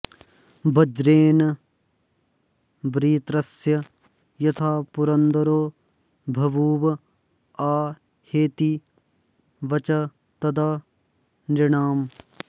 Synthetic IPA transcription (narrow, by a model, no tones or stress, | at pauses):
bɐd͡ʒɾeːn | bɾiːt̪ɾɐsjɐ | jɐt̪ʰaːpʊɾɐnd̪əɾoː | bʱɐʋuːʋ | aː | heːt̪i | ʋɐt͡ʃɐ | t̪ɐd̪a | nɾɪɽaːm